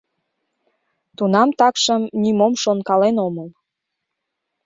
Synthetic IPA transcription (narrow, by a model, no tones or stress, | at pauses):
t̪unɑmt̪ɑkʃəmnimomʃonkɑlenoməl